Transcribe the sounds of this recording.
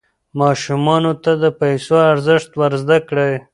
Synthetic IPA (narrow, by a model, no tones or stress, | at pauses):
mɑʃumɑnot̪ad̪əpajsoaɾzəʂt̪waɾzd̪akɽe